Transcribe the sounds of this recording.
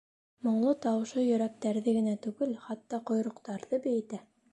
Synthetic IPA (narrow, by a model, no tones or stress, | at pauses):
mŏɴlˠɤt̪ɑwɤ̆ʃɤjɵ̆ɾæk̚t̪æɾðɘɡɘ̆næt̪ʉɡɘlχɑt̪ːɑqŏjɾŏqt̪ɑɾðɤbɘ̆jɘ̆t̪æ